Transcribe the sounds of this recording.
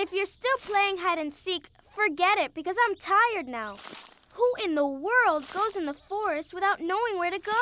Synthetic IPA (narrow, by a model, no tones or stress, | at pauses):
ɨfjə˞stɪlˠpʰl̥eɪɪ̃ŋɦæɾɨ̃nsik | fə˞ɡɛɾɪt̚b̥ɨkʌzãɪ̃mtʰaɪə˞dⁿnaʊ | huʔɪ̃nðəwɜ˞lˠd̚ɡoʊzɨ̃nðəfɔɹɨst̚wəθaʊtⁿnoʊɪ̃ŋwə˞ɾɨɡoʊ